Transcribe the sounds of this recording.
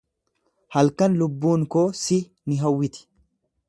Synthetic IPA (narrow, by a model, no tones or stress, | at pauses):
hɐlkɐnlʊbːuːŋkoːsɪ | nɪɦɐwːɪt̪ɪ̥